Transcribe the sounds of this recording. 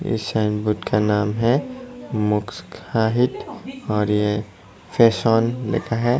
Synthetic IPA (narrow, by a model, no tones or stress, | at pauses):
ɪ̰sãɪnbuːt̪kʰanaːmɦɛ | mʊkskhaːɦɪt̪ɔːɾje | fʰeːsɔːnlḛkʰaɦɛ